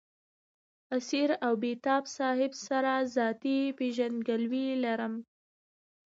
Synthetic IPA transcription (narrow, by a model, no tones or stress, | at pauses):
asiɾawbet̪ɑbsɑhɪbsaɾazɑt̪ipeʒand̪ɡəlwilaɾəm